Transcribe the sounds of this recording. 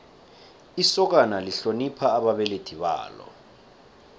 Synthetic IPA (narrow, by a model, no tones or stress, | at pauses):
isɔk̬analiɬonipʰaːɓaɓɛled̥ʰʱiɓa̰ːlɔ̰